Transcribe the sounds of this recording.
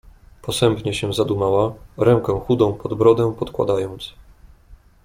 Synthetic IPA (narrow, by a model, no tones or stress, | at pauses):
pɔsɛmpɲɛɕɛzad̪umawaɾɛŋkɛ̃xud̪ɔ̃w̃pɔd̪bɾɔd̪ɛ̃pɔt̪kwa̰d̪ajɔnt̪s